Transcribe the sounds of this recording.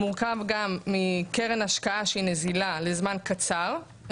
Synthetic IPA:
muʁkavɡamːikeʁenaʃkaaʃeinezilalezmankat͡saʁ

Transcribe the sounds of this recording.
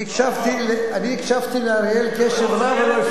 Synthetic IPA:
ikʃavt̪ileaniikʃavt̪ileaɾjelkeʃevɾama

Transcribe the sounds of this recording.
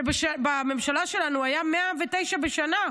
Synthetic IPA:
beʃabamemʃalaʃe̞lanuajameavet̪e̞jʃabeʃana

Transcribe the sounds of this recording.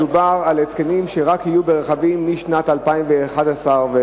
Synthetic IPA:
ubaʁalet͡skenimʃeʁakhijubeʁeχavimmːiʃnat̪alpaimveːχad̪asaʁve

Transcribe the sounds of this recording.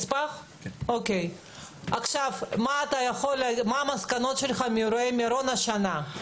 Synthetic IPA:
spaχ | okʲej | aχʃavmaːt̪ajaχolmamaskanot̪ʃelχamiuɾoemaɾonaʃana

